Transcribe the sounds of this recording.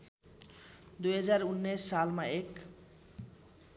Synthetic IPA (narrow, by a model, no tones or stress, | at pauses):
d̪ujɦad͡ʒaɾunːesːalmaek